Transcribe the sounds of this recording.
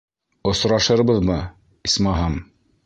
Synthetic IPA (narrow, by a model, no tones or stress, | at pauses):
ŏsɾɑʃɤ̆ɾbɤðmɤ | ismɑɦɑm